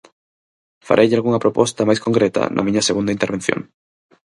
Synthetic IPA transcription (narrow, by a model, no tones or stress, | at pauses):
fa̰ɾʔejʎalɣuŋɐpɾopɔst̪amajskoŋkɾet̪a̰nʔɐ̰mĩɲɐseɣund̪aint̪eɾβ̞en̟θjo̰ŋ